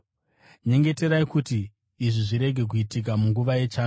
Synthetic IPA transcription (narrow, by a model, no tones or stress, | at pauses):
ɲe̞ŋɡe̞te̞ɾaikutiː | ʐiʐiɾe̞ɡʱe̞k̬uitik̬amuŋɡuʋaje̞t͡ʃaːnu